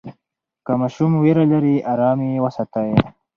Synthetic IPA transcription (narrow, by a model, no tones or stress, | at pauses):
kamaʃumweɾalaɾiʔaɾaːmiwɐsɐt̪ae